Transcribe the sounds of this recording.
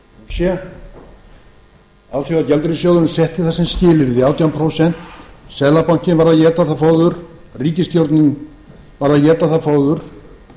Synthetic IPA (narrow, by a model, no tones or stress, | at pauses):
sjɛ | awθjoɣacɛlt̪ɾɪsjowðʏnʏmsɛht̪ɪθasɪmscɪːlɪɾðɪaːwt̪jawnmpʰɾowsɛn̥t̪sɛðlapawɲ̥cɪnvaɾðajɛːt̪aθafoːwðʏɾ̥ | riːcɪst̪jowɾt̪nɪn | vaɾðaðjɛːt̪aθafoːwðʏɾ̥